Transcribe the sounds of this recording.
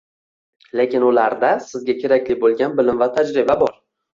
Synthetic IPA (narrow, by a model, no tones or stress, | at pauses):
le̞kʲɪnʊlaɾd̪asɪzɡʲakʲʰe̞ɾakʲlɪbolˠɡʲanbɪlɪmvat̪ʰad͡ʒɾɪbabɒɾ